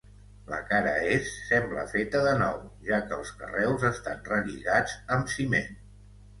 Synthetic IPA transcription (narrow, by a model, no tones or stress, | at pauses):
lə̰kaɾəesːɛmblə̰fet̪əðənɔ̰wʒakəːlˠskə̰rɛwzəst̪anrəʎiɣad͡zəmsimen